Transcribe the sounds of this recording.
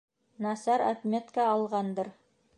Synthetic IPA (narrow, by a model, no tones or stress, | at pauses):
nɑsɑɾæ̰t̪mʲet̪kaːlˠʁɑnd̪ɤɾ